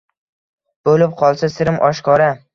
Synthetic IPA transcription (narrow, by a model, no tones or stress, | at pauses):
b̥olɪp̚qʰɒlˠsasɪɾɪmʔɒʃkʰɒɾa